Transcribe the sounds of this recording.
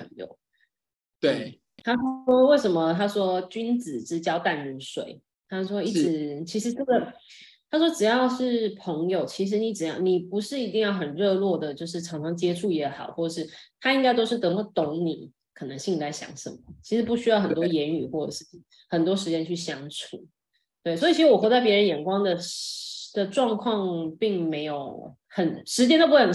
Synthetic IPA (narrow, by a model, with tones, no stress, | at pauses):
ə˧˦ŋjo̰˨˩ʊ | t̪we˥˩ɪ | t̪ʰa˥ʂɔ˥we˥˩ɪʂə˧˥nmə˧t̪ʰa˥ʂwɔ˥t͡ɕy˥nt͡sɹ̩˨˩ʈ͡ʂɻ̩˥t͡ɕjɑ˥ʊt̪a˥˩nmi˧˥nʂwḛ˨˩ɪ | t̪ʰa˥ʂwɔ˥i˥˩ʈ͡ʂɻ̩˧˦t͡ɕʰi˧˥ʂɻ̩˧˥ʈ͡ʂɤ˥˩ɡə˨˩t̪ʰa˥ʂ̬wɔ˥ʈ͡ʂɻ̩˨˩jɑ˥˧ʊʂɻ̩˥˩pʰɤ˧˥ŋjo˨ʊt͡ɕʰi˧˥ʂ̬ɻ̩˧˥ni˧˥ʈ͡ʂɻ̩˨˩jɑ˥˩ni˨˩pu˧˥ʂɻ̩˥˩i˧˥t̪i˥˧ŋjɑ˥˩ʊxə˨˩nɻɤ˥˧lwɔ˥˩d̪ə˩t͡ɕjo˥˧ʊʂ̬ɻ̩˥˩ʈ͡ʂʰɑ˧˥ŋʈ͡ʂʰɑ˧˥ŋt͡ɕjɛ˥ʈ͡ʂʰu˥˩jɛ˧˥xɑ˨˩ʊxwɔ˥˩ʈ͡ʂʂɻ̩˥˩t̪ʰa˥i˥ŋka˥ɪt̪o˥ʊʂɻ̩˥˩t̪ə˧˩ŋə˥˩t̪o˧˥ŋnḭ˨˩˦ | kʰɤ˨˩nɤ˧˦ŋɕi˥˩ŋla˧˥ɪɕjɑ̰˧˥ŋʂə̰˩˦mə˦t͡ɕʰi˧˥ʂɻ̩˧˥pu˥˩ɕy˥jɑ˥˩ʊxə˨˩nt̪wɔ˥jɛ˧˥ny˨˩xwɔ˥˩ʈ͡ʂə̰˨˩ʂɻ̩ʰ˥˩˥ | xə˨˩nt̪wɔ˥ʂ̬ɻ̩˧˥t͡ɕjɛ˥nt͡ɕʰy˥˩ɕjɑ˧˥ŋʈ͡ʂʰu˨˩˦ | t̪we˥˩ɪsɔ˧˥i˨t͡ɕʰi˧˥ɻ̩˧˥wɔ˨˩xɤ˧˥t͡sa˥˩ɪp̬jɻə˧˥njɛ˨˩nkwɑ˥ŋd̪ə˨ | d̪̥ə˨ʈ͡ʂwɑ˥˧ŋkʰwɑ˥˧ŋpi˥˩ŋme˧˥ɪjo˨˧˩ʊ | xə˨˩nʂɻ̩˧˥t͡ɕjɛ˥no˥pɑ˨˩